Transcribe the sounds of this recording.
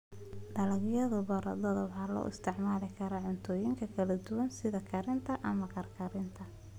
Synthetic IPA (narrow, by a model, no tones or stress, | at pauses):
d̪ɐlɐɡjɐðʊbɐɾɐ̰d̪ɔðɔbhɐlɔ̰ːʔɪ̰st̪ʰɛʕmaːlɪkʰɐɾɐʕʊnt̪ʰɔːjɪŋkʰɐkʰɐlɐd̪ʊwɐnsɪðɐkʰɐɾɪnt̪ʰɐʔɐmɐkʰɐrkʰɐɾɪnt̪ʰɐ